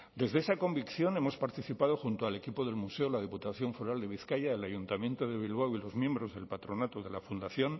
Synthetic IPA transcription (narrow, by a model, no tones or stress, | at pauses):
d̪e̞zðesako̞mbikθjo̞ne̞mo̞spaɾt̪iθipað̞o̞xunt̪oale̞kipo̞ðe̞lmuse̞olað̞iput̪aθjo̞ɱfoɾald̪e̞β̞iθkajaelaʝunt̪amje̞nt̪oðe̞β̞ilβawilo̞zmje̞mbɾo̞zðe̞lpat̪ɾo̞nat̪oðe̞lafund̪aθjo̞n